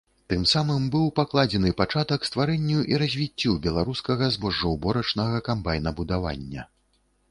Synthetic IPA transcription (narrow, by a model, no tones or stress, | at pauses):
t̪ɨmsamɨmbɨwpaklˠad͡zʲɛnɨpat͡ʂat̪ɐkst̪vaɾɛnʲːuʔiɾɐzʲvʲit͡sʲːubʲɛlˠaɾuskɐɣɐzbɔʐːɐwbɔɾɐt͡ʂnɐɣɐkambajnɐbud̪ava̰nʲːɐ